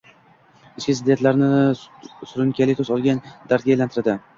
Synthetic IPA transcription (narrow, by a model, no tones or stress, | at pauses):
ɪt͡ʃkʲɪsɪd̪ent̪laɾnɪ | sʊɾʊnkʲalɪk̚t̪ʰozɒlˠɡʲand̪aɾt̪̚ɡʲajlant̪ʰɪɾad̪ɪ